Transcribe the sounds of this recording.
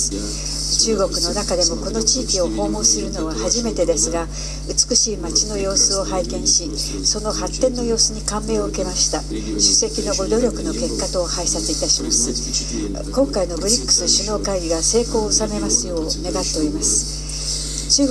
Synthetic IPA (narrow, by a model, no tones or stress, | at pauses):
t͡ɕɨːɡo̞kɯ̟no̞nakad̪e̞mo̞ko̞no̞t͡ɕiːkʲio̞ho̞ːmo̞ːsɨɾɯ̟no̞βahaʑime̞t̪e̞d̪e̞sɨɡa | ɯ̟t͡sɨ̥kɯ̟ɕiːmat͡ɕino̞jo̞ːsɨo̞haikẽ̞ɰ̃ɕi | so̞no̞hat̪ːẽ̞nːo̞jo̞ːsɨɲ̟ikãmːe̞ːoɯke̞maɕi̥t̪a | ɕɨ̥se̞kʲino̞ɡod̪o̞ɾʲo̞kɯ̟no̞ke̞kːat̪o̞haisateit̪aɕimasɨ̥ | kõ̞ŋkaino̞bɯ̟ɾʲikːɯ̥sɕɨno̞ːkaiɡʲiɡase̞ːko̞ːosame̞masɨjo̞ːne̞ɡat̪ːe̞o̞ɾimasɨ̥ | t͡ɕɨː